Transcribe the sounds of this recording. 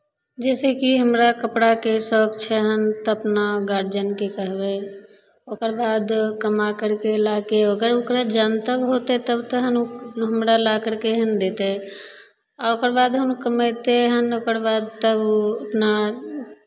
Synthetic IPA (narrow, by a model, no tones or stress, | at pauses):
d͡ʒɛsekiɦəmɾakəpɽakesɔkt͡ʃʰɛɦənt̪əpnaɡaɾd͡ʒənkekəɦbe | okəɾbad̪kəmakəɾkelakeokəɾokɾad͡ʒant̪əbɦot̪ɛt̪əbt̪əɦənɦəmɾalakəɾkeɦənd̪et̪e | aokəɾbad̪ɦənkəmət̪eɦənokəɾbad̪t̪əbəpna